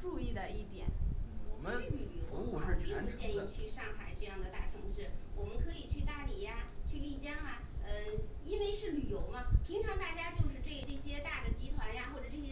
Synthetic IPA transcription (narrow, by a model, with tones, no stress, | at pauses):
ʈ͡ʂu˥˧i˥˩d̪ə˩i˥˩t̪jɛ̰˨˩˦n̩wɔ˨˩t͡ɕɛ˧˥˧ly˨˩jo˧˥ʊɔ˨˩˥u˥t͡ɕjɛ˥˧ni˥˧t͡ɕʰy˥˧ʂɑ˥˩ŋxa˨˩ɪʈ͡ʂɤ˥˧jɑ˥˩ŋd̪ə˩t̪a˥˩ʈ͡ʂʰɤ˧˥ŋʂɻ̩˥˩wɔ˨˩mə˦nkʰɤ˧˥i˨˩t͡ɕʰy˥˧t̪a˥˩li˨˩ja˧t͡ɕʰy˥˧li˥˩t͡ɕjɑ˥ŋa˧ | ə˧i˥we˥ɪʂɻ̩˥˩ly˨˩jo˧˥ʊmɐ˧pʰi˧˥ŋʈ͡ʂʰɑ˧˥ŋt̪a˥˩t͡ɕja˥t͡ɕjo˥˧ʊʂɻ̩˥˧ʈ͡ʂɤ˥˩ʈ͡ʂɤ˥˩ɕjɛ˥t̪a˥˩d̪ə˩t͡ɕi˥t̪ʰwa˧˥nja˧xwɔ˥˩ʈ͡ʂɤ˨˩ʈ͡ʂɤ˥˩ɕjɛ˥